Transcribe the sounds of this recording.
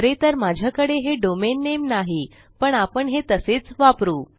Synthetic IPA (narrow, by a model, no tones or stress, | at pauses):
əɾet̪əɾmad͡ʑʱjakəɽeɦeɖomenːemnaɦi | pəɳapəɳɦet̪əset͡sʋapɾuː